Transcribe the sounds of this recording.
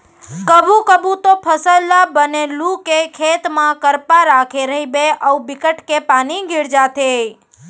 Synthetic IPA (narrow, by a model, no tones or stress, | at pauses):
kəbukəbut̪opʰəsəlːabənelũkekʰet̪mãkəɾpaɾakʰeɾəɦibeʔəubikəʈkepaniɡʱiɾd͡ʒat̪ʰe